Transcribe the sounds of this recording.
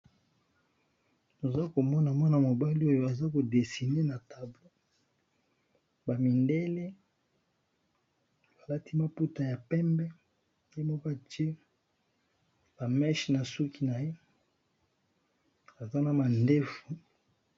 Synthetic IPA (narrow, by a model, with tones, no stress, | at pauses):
no˨za˦ko˨mɔ˦na˨mɔ˦na˨mo˨ba˦li˦o˦jo˦a˨za˦ko˨de˨si˨ne˦na˨ta˨blo˦ | ba˨mi˨nde˦le˦ | ba˨la˦ti˦ma˨pu˦ta˨ja˨pɛ˦mbɛ˦ | je˦mɔ˦kɔ˦a˨te˦ | b̥a˨mɛ˦ʃna˨su˦ki˦na˨je˦ | a˨za˦na˨ma˨nde˦fu˨